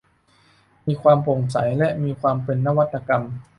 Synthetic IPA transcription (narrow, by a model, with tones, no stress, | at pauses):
miː˧kʰwaː˧mpʰo˨˩ŋsa̰˩˦jlɛ˦˥ʔmiː˧kʰwaː˧mpe˧nːa˦˥wa˦˥t̪ʰːa˧ka˧m